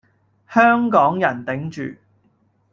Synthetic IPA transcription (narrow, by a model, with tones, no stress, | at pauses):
hœː˥ŋkɔː˨˥ŋjɐ˨˩nt̪ɪ˨˥ŋt͡ʃy̰ː˨